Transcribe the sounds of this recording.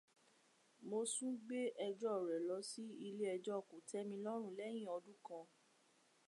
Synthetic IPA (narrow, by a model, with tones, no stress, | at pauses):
mo˧sũ˦ɡ͡be˦ʔɛ˧d͡ʒɔ˦˨ɾɛ˨lɔ˨˦si˦i˧le˦ɛ˧d͡ʒɔ˦ɔ˨ku˨tɛ˦mĩ˧lɔ˦ɾ̃ũ˦˨lɛ˦j̃ĩ˦˨ɔ˧dũ˦kã˧